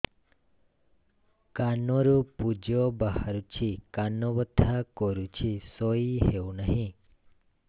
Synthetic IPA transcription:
kanoɾupud͡ʒobaɦaɾut͡ʃʰikanːoʋət̪ʰːakoɾut͡ʃʰisoiɦeunəɦĩ

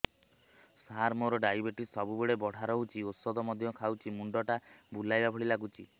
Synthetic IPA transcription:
saɾmoɾɔɖajbeʈisɔbubeɭebɔɽ̤ʱaɾɔɦut͡ʃʰiosɔd̪ɔmɔd̪ʱjɔkʰawt͡ʃʰimuɳɖɔʈabulajbabʱɔɽilaɡut͡ʃʰi

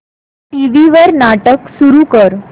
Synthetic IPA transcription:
ʈiʋiʋəɾnaʈəksuɾukəɾ

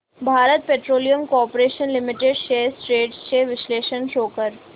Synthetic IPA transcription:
bʱaːɾət̪̚peːʈɾoːlijəmkoɔːpɾeːʃənlɪmɪʈeɖʃeːsʈɾeːɖst͡ʃeːʋɪʃleːʃənʃoːkəɾ

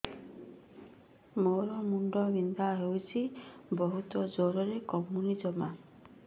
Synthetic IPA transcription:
moɾɔmuɳɖɔʋind̪ʱaɦewt͡ʃʰibɔɦut̪ɔd͡ʒoɾɔɾekɔmːunid͡ʒɔma

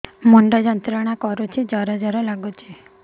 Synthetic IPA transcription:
mɔɳɖad͡ʒənt̪ɾəɽ̃akɔɾot͡ʃʰed͡ʒaɾad͡ʒəɾɔlaɡot͡ʃʰe

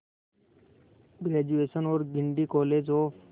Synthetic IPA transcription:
ɡɾeːd͡ʒueːsənoːɾɡɪɳɖikɔːleːd͡ʒoː

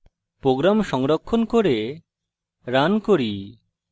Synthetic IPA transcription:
pɾoɡɾamʃɔŋɾɔkʰːɔnkoɾe | ɾankoɾi

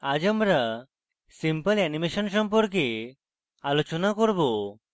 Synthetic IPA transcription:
ad͡ʒəmɾa | simpəlɛnimeʃɔnsɔmpɔɾk̬e | alot͡ʃɔnakɔɾbo

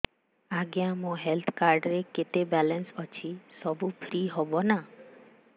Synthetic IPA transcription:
aɡjãmõɦelt̪ʰkaɾɖɾeket̪ebɛlənsɔt͡ʃʰisɔbupʰɾiɦɔbona

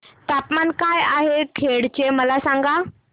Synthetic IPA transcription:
t̪apmankajaɦekʰeɽt͡ɕeməlasaŋɡa

